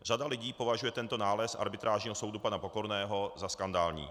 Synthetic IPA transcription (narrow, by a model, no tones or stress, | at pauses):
r̝adalɪɟiːpo̞vaʒujɛt̪ɛnt̪o̞naːlɛsʔa̰ɾbɪt̪ɾʔaːʒɲiːɦoso̞wdupanapo̞ko̞ɾnɛːɦo̞zaskandaːlɲḭː